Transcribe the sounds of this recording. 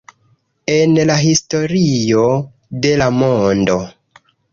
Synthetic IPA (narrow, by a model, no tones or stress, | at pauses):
e̞nlaɦisto̞ɾijo̞ | de̞lamondo̞